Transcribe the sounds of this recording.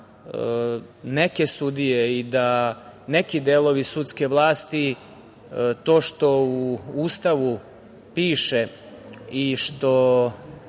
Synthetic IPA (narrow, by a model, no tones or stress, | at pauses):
neke̞sud̪ijeid̪anekid̪eːlo̞ʋisut̪ske̞ʋlˠaːst̪i | t̪o̞ːʃt̪o̞uuːst̪aʋu | piːʃe̞ | iʃt̪o̞